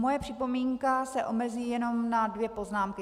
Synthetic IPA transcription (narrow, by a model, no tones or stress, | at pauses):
mojɛpr̝̥ɪpo̞miːŋkasɛʔo̞mɛziːjɛno̞mnadvjɛpo̞znaːmkɪ